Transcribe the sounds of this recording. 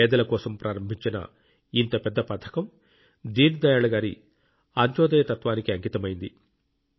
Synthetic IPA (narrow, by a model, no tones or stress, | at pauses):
ɛːd̪ɐlɐkɔːsɐmpɾʔaːɾɐmbʱiɲt͡ʃinɐ̰ | int̪ɐpɛd̪ːɐpɐt̪ʰːɐ̥kɐm | d̪iːnd̪ɐjaːɭɐɡaːɾḭ | ɐɲt͡ʃɔːd̪ɐjɐt̪ɐt̪ʋaːnikiɐŋkit̪ɐmɐjind̪i